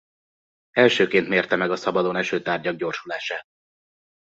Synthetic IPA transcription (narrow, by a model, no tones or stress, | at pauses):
ɛlʃøːkeːnt̪meːrt̪ɛmɛɡɒsɒbɒd̪o̞nɛʃøːt̪aːrɟɒɡ̚ɟo̞rʃulaːʃaːt̪̚